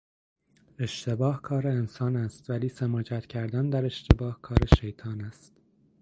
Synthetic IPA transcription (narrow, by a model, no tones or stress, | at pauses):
e̞ʃt̪ʰe̞bɒːhkʰɒːɾeːnsɒːnæst̪væliːsæmɒːd͡ʒæt̪cʰæɾd̪ænd̪æɾe̞ʃt̪ʰe̞bɒːhkʰɒːɾeʃejt̪ʰɒːnæst̪